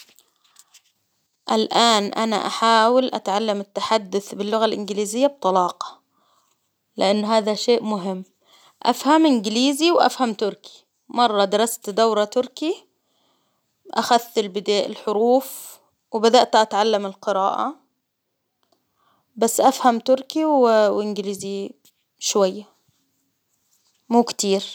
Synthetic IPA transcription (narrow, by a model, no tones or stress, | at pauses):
ʔalʔaːnʔana̰ʔa̰ħaːwɪlʔa̰t̪ʕalːamɪt̪ːaħad̪ːʊθbɪlːʊɣalʔɪnɡliːzɪjːab̚t̪ˤɑlɑːqɑ̥ | lɪʔanːɦaːðaʃeːʔmʊɦɪmː | ʔafhamʔɪnɡɪliːziwʔa̰fhamt̪ʊɾki̥ | mɑrˤːɑd̪ɪɾˤɑst̪d̪awɾˤɑt̪ʊɾki | ʔaxaθːɪlbɪd̪aːʔɪ̰lħʊɾuːf | wɪbad̪aʔt̪ʔat̪ʕalːamɪlqɨɾaːʔa̰ | basːʔafhamt̪ʊɾkiwwʔɪnɡɪliːzi | ʃwajːa | muːkt̪iːɾ